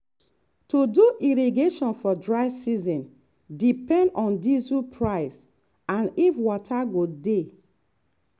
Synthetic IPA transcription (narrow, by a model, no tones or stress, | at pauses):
tuduʔiɹiɡeʃɔ̃nfɔdɹaɪsizɔ̃n | dipɛ̃ndɔ̃ndizupʰɹaɪs | ãnifwɔtʰaɡode